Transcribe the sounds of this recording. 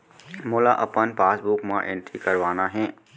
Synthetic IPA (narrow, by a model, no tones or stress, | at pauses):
moːlaʔɐpənpaːsbʊkmãʔẽːɳʈɾikɐɾʋaːnaɦɛ̃ː